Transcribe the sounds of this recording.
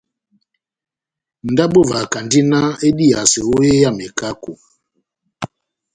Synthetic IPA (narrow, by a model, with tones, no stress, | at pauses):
n̩˨da˦ɓo˦˨va˨ka˨ndi˦na˦e˦di˦a˨se˨wo˦je˦ja˦˨me˨ka˦ko˨